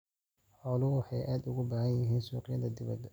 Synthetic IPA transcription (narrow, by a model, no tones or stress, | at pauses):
ħɔːlʊwħɑjʔaːd̪ʊɣʊbaːhɐnjɪɦiːnsuːqɪjɐðɐd̪ɪβɐ̰d̪